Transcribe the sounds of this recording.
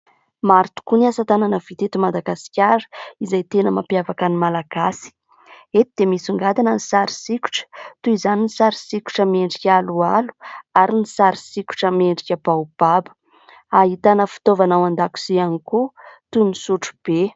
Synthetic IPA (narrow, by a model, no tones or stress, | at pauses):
maɾt̪u̥kuniasat̪ananəvit̪et̪umad̪aɡasi̥kʲaɾə̥izajt̪enəmapjavakanimalaɡ̥asi̥ | et̪id̪̥emisuŋɡad̪anənisaɾi̥sikʲu̥ʈ͡ʂə̥t̪uizaninisaɾi̥sikʲu̥ʈ͡ʂəmeɳɖ͡ʐikʲalualu̥aɾinisaɾisikʲu̥ʈ͡ʂəmeɳɖ͡ʐikʲəb̥awb̥abə̥ | aɦit̪anəfi̥t̪ovanawand̪aku̥sianikut̪unisuʈ͡ʂub̥e